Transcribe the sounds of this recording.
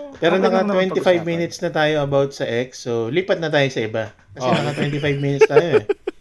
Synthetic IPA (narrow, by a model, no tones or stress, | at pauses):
pɛːɾonɐkɐt̪wɛnt̪ɪfajvmiːnɪt̪snɐt̪aːjo̞ɐbawt̪̚sɐʔɛksːoliːpɐt̪nɐt̪aːjo̞sɐɪba | kɐsɛnɐkɐt̪wɛnt̪ɪfajbmiːnɪt̪st̪aːjoɛ